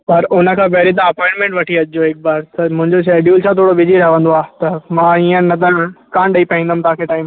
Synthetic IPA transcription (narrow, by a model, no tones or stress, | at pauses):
pɐɾʊnə̆kʰãːbɛːɾĩt̪ãɐpɔːɪ̃ɳʈmẽɳʈʋɐʈʰiɐd͡ʑd͡ʑoeːk̚baːɾt̪ɐmʊ̃ɦɪ̃ɲd͡ʑoʃeːɖjuːlt͡ɕʰat̪ʰoːɽobɪd͡ʑiɾɐkə̃nd̪oaːt̪ɐmãːiə̃nɐd̪əɾkãːɳɖɐipɐĩnd̪ɐmt̪ɐãkʰeʈaːɪm